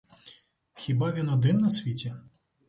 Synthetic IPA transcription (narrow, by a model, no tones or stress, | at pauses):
xʲibavʲinɔd̪ɪnːɐsʲʋʲitʲɛ